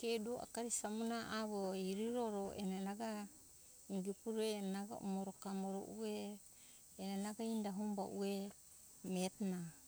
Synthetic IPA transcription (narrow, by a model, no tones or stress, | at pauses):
keduoʔa̰kaɾisamunaaβoeiɾiɾoɾoʔḛnenaɡa | iŋɡipuɾenaɡa̰ṵmoɾokamoɾo̰ʔueː | nenaɡaindaɦumba̰ʔue | metna